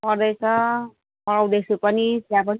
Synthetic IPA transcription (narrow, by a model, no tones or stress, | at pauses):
pʌɾd̪ʌjt͡sʰʌ | pʌɽawd̪esupʌnit̪jãp̬ʌni